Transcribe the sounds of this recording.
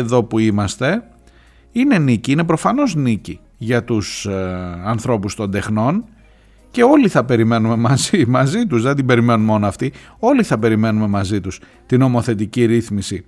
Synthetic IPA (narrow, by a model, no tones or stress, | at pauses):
eðo̞puimɐst̪e̞ | ine̞niciine̞p̬ɾo̞fɐno̞znici | ʝɐt̪us | ɐnθɾo̞pust̪o̞nd̪e̞xno̞n | ce̞o̞liθɐpe̞ɾime̞nume̞mɐzimɐzit̪uzðed̪ibe̞ɾime̞nunmo̞noɐft̪io̞liθɐpe̞ɾime̞nume̞mɐzit̪us | t̪ino̞mo̞θe̞t̪iciɾiθmisi